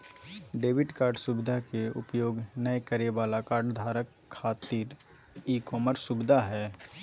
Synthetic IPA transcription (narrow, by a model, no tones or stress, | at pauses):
ɖeːʋɪʈkaːɾɖsʊbɪd̪ʱakeʊ̰pjoːɡnəjkəɾeʋaːlakaːɾɖd̪ʱaːɾəkʰːaːt̪iːɾ | iːkɔːməɾsʊbɪd̪ʱaɦɛː